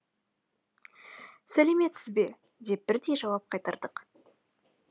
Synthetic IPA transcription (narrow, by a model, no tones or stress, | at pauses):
sæle̞me̞t̪sɪzbe̞ | d̪e̞p̚b̥ɪɾd̪e̞jʒɑwɑp̚qʰɑjt̪ɑɾd̪əq